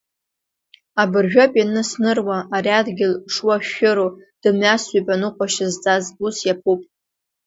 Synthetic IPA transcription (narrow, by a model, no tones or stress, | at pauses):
abɨrʒᶣapʼanɨsnɨrwaːɾiadɡʲɪlʂwaʃɪɾod̥ɨmɥasipʼanɨqʷʼaʃɪzt͡sʼazusjapʰupʼ